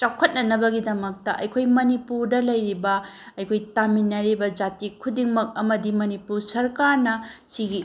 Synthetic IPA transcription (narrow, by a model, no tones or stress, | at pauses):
t͡ʃakʰːɐt̚nɐnɐbɐɡidɐmɐk̚tɐʔɐjkʰojmɐnipuɾdɐlɐjɾibɐ | ɐjkʰojtaminːɐɾibɐd͡ʒatikʰudiŋmɐk̚ɐmɐdimɐnipuɾsɐɾkaɾnɐsiɡi